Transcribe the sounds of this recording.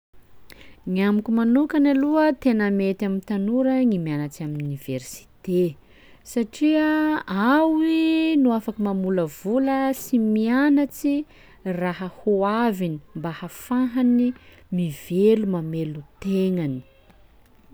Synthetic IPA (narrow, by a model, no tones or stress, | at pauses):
ŋiamikumanukanaluət̪enəmet̪amint̪anuɾəŋimianat͡siaminuniveɾsi̥t̪e | saʈ͡ʂiəawinuafakəmamuləvuləsimianat͡si | raɦəhuavini̥mbahafãɦani | mivelumamelut̪eŋani̥